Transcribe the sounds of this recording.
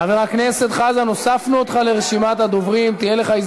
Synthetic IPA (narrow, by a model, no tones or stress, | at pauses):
aveʁaknese̞t̪χazano̞safnuot̪χale̞ʁeʃimat̪ad̪o̞vʁimt̪ijele̞χaiz